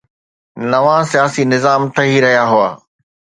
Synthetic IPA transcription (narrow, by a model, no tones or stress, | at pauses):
nɐʋãsijaːsinɪzaːmt̪ʰɐɦiɾɐɦijaɦʊa̰ː